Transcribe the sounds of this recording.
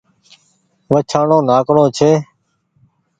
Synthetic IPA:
ʋət͡ʃʰaːɳõːnaːkɽõːt͡ʃʰeː

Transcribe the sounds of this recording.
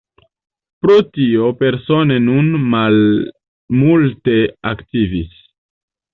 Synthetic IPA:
pɾotio̞pe̞ɾso̞ne̞nunmal | multe̞aktivis

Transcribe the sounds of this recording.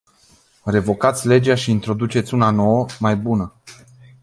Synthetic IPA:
re̞vo̞kat̪sʲle̞d͡ʒaʃiːnt̪ɾo̞d̪ut͡ʃe̞t̪sʲunano̞wəmajbunə

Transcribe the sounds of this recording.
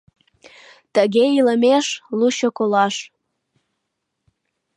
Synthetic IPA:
t̪əɣeiləmeʃluɕokolɑʃ

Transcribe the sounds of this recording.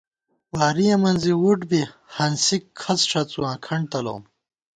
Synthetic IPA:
waːɾijɐmɐnziwuʈbihɐnsikʰːɐt͡sʂɐt͡suwãːkʰɐɳɖt̪ɐlo̰ːm

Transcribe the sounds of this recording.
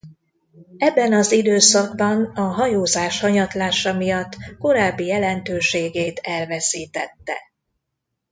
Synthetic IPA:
ɛbːɛnɒzid̪øːsɒɡ̚bɒnɒɦɒjoːzaːʃhɒɲɒt̪laːʃɒmijɒt̪ːko̞ɾaːbːijɛlɛnt̪øːʃeːɡeːt̪ɛlvɛsiːt̪ɛ̰t̪ːɛ̰

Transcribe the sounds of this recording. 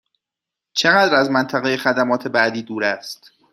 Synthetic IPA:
t͡ʃʰe̞ɣæd̪ɾæzmænt̪ʰæɣe̞jexæd̪æmɒːt̪ʰe̞bæʔd̪iːd̪uːɾæst̪

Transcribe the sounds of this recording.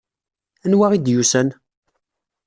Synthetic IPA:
ænwaʁid̪jusæn

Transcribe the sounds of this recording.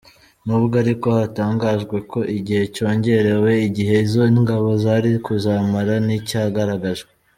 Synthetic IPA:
nuβuɡaɾiko̞hataːŋɡaːʒɡwe̞ko̞ʔiɟihe̞co̞ːɲɟe̞ɾe̞we̞iɟiɦe̞izo̞ŋɡaβo̞zaɾikuzaːmaɾanicaɡaɾaɡaʒɡe

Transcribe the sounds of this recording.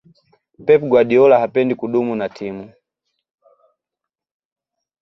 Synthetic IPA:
pɛpɡwaɗiɔlahapɛndikuɗumunatʰimu

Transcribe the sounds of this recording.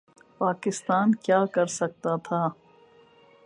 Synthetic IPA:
paːkɪst̪aːnkjaːkɐɾsɐk̚t̪at̪ʰaː

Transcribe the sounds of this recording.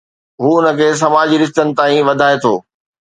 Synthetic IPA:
ɦuːʊnə̆kʰeːs̬ɐmaːd͡ʑɾɪʃ̬t̪ənɪ̆t̪aːĩʋɐd̪ʱaːet̪ʰo̰ː

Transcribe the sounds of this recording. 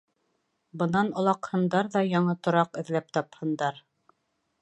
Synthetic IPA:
bɤ̆nɑnŏlˠɑqhɤ̆nd̪ɑɾðɑjɑɴɤt̪ŏɾɑqɵ̆ðlæp̚t̪ɑphɤ̆nd̪ɑɾ

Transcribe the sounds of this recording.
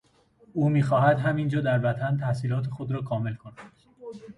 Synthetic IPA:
uːmiːxɒːɦæd̪ɦæmind͡ʒɒːd̪æɾvæt̪ʰænt̪ʰæhsiːlɒːt̪ʰe̞xod̪ɾɒːkʰɒːme̞lkʰonæd̪̥

